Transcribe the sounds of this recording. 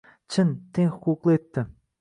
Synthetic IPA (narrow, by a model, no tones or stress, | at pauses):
t͡ʃʰɪnt̪ʰeŋχʊ̥quqlˠɨet̪ːɪ